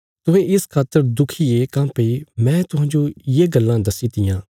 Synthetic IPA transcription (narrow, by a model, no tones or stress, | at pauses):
t̪ʊɦɛ̃ɪskʰaːt̪ːəɾd̪ʊkʰiekãmpeimɛ̃ːt̪ʊɦãːd͡ʒojeːɡɐlːãd̪ɐsiːt̪ɪjãː